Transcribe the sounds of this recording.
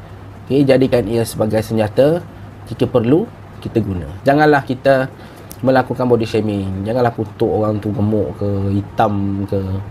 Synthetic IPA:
oked͡ʒadikaniəsəbaɡajsəɲd͡ʒat̪a | d͡ʒikəpərlu | kit̪əɡunə̰̃d͡ʒaŋãnlahkit̪ə | mə̃lakukanbɔdiʔsʃemɪd͡ʒaŋanlahput̪ʊʔoɾaŋt̪uɡəmʊʔkəit̪amkə

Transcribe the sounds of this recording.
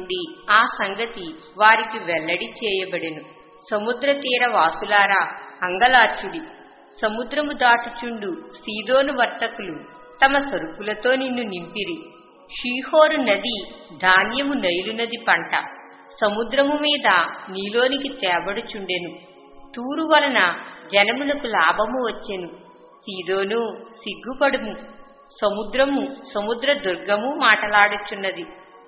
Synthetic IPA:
ɖiaːsɐŋɡɐt̪i | ʋaːɾikiʋɛlːɐɽit͡ʃɛːjɐbɐɽenu | sɐmud̪ɾɐt̪iːɾɐʋaːsulaːɾaːɐŋɡɐlaːɾt͡ʃuɽi | sɐmud̪ɾɐmud̪aːʈut͡ʃuɳɖusiːd̪o̞ːnuʋɐɾt̪ɐkulu | t̪ɐmɐsɐɾupulɐt̪o̞ːninːunimpiɾi | ʂiːho̞ːɾunɐd̪id̪ʱaːnjɐmunɐjlunːɐd̪ipɐɳʈɐ̰ | sɐmud̪ɾɐmumiːd̪ɐniːlo̞ːnikit̪ɛːbɐɽut͡ʃuɳɖenu | t̪uːɾuʋɐlɐnɐd͡ʒɛnɐmulɐkulaːbʱɐmuʋɐt͡ʃːenu | siːd̪o̞ːnusiɡːupɐɽumu | sɐmud̪ɾɐmusɐmud̪ɾɐd̪uɾɡɐmumaːʈɐlaːɽut͡ʃunːɐd̪i

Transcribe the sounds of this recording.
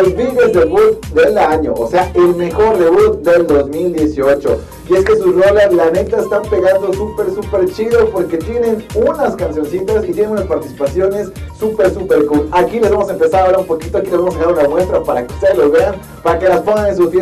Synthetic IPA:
ozβiɣezðeβut̪̚d̪e̞laɲo̞̰ʔo̰se̞aʔelme̞xo̞ɾðe̞βut̪̚d̪e̞ld̪o̞zmild̪jesio̞t͡ʃo̞̰ | ie̞ske̞susrolalanet̪aest̪ampe̞ɣand̪o̞supe̞ɾsupe̞ɾt͡ʃiðo̞po̞ɾke̞t̪je̞ne̞nunaskansjo̞nsit̪asit̪jenenunaspaɾt̪isi̥pasjone̞sːupe̞ɾsupe̞ɾkulakile̞se̞mo̞s̬e̞mpe̞saðoaɾaumpo̞kit̪oakilesemosanaɾunamwe̞st̪ɾapaɾaki̥seloβean | paɾake̞laspoŋɡanensusfje

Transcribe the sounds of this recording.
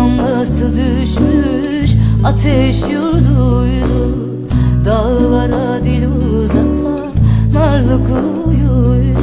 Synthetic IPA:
nlˠasɯd̪yʃmy | ʃat̪ʰɛʃjoɾd̪ujdu | d̪alvaɾa | d̪ilʲuzat̪ʰa | naɾlˠɯkʰɯ | juj

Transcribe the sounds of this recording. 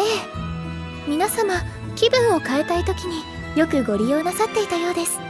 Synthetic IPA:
eː | mʲinasama | kʲibɯ̟̃ɰ̃o̞kae̞t̪ait̪o̞kʲiɲ̟i | jo̞kɯ̟ɡo̞ɾʲijo̞ːnasat̪ːe̞it̪ajo̞ːd̪e̞sɨ̥

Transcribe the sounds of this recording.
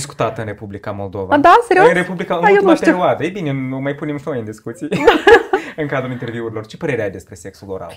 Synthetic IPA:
sku̥t̪at̪ɨnre̞publikamo̞ld̪o̞vad̪aseɾioɨɾepublikaɨnjenutpeiɾiad̪əejbineomajpune̞mfojɨnd̪iskut̪sij | ɨŋkad̪ɾulint̪e̞rviuɾilo̞rt͡ʃe̞pəɾe̞ɾeajd̪espɾe̞se̞ksulo̞̰ɾa̰l

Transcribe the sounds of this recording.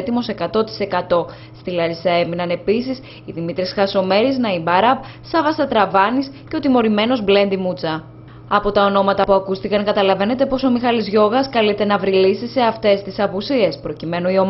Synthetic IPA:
t̪imo̞se̞kɐt̪o̞t̪i̥se̞kɐt̪o̞ | st̪ilɐɾisɐe̞minɐne̞pisis | iðimit̪ɾisxɐso̞me̞ɾiznɐibɐɾɐp̚ | sɐvɐsɐt̪ɾɐvɐnisceo̞t̪imo̞ɾime̞no̞zble̞nd̪imut͡sɐ | ɐpo̞t̪ɐo̞no̞mɐt̪ɐpuɐkust̪ikɐŋkɐt̪ɐlɐve̞ne̞t̪e̞po̞so̞mixɐlizʝo̞ɣɐskɐlit̪e̞nɐvɾilisise̞ɐft̪e̞st̪isɐpusie̞spɾo̞cime̞nuio̞m

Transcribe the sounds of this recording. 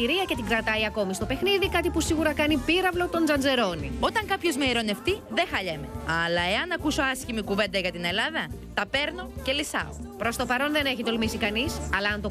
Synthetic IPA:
iɾiɐce̞t̪iŋɡɾɐt̪ɐiɐko̞mist̪o̞pe̞xniðikɐt̪ipusiɣuɾɐkɐnipiɾɐvlo̞t̪o̞nzɐnd͡ze̞ɾo̞nio̞t̪ɐŋkɐpço̞zmeiɾo̞ne̞ft̪iðexɐʎeme̞ɐlɐe̞ɐnɐkuso̞ɐscimikuve̞nd̪ɐʝɐt̪ine̞lɐðɐt̪ɐpe̞ɾno̞ce̞lisɐ̰o̰pɾo̞st̪opɐɾo̞nðe̞ne̞çit̪o̞lmisikɐnisɐlɐɐnt̪o

